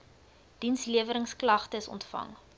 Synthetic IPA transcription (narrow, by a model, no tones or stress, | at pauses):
d̥insliəvəɾəŋsklɐχtəsɔ̰ntfɐ̰ŋ